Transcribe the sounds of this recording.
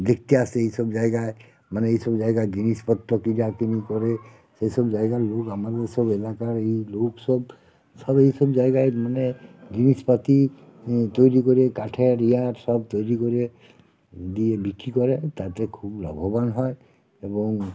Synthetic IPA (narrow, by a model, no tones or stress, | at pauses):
d̪ek̚t̪iasejsɔbd͡ʒajɡaj | manɛejsɔbzajɡajd͡ʒinispɔt̪ɾɔkiɾakinikɔɾɛ | sejsɔbzajɡalokamad̪eɹsɔbelakaɹejloksɔb | sɔbejsɔbzajɡajmanɛɡinispat̪i | t̪ojɾikɔɾɛkaʈʰɛɾijaɾsɔbt̪ojɾikoɾɛ | d̪iebikːikɔɾɛt̪at̪ɛkʰublɔ̰bʱɔbanɦɔj | ebɔŋ